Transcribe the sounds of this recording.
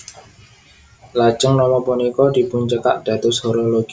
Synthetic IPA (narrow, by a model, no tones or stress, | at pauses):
lḁd͡ʒəŋnɔmɔpunikɔd̪̥i̤buɲt͡ʃəkaʔd̪̥a̤t̪ʊshɔɾoloɡ̥i